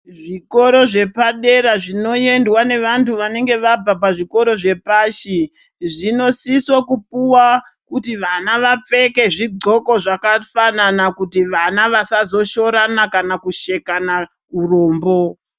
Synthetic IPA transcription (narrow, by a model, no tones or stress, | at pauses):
ʐiko̞ɾo̞ʐe̞paɗe̞ɾaʐino̞je̞ndwane̞ʋantʰuʋane̞ŋɡe̞ʋab͡vapaʐiko̞ɾo̞ʐe̞paːʃi | ʐino̞siswokup̚uwa | kutiʋanaʋap͡fe̞ke̞ʐiɡ͡ǀʱo̞ko̞ʐakafananakutiʋanaʋasazo̞ʃo̞ɾanakanakuʃe̞kana | uroːmbo̞